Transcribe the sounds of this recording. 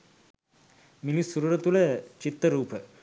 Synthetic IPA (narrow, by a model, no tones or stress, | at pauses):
milisuɾuɾət̪ulet͡ɕit̪ːəɾuːpə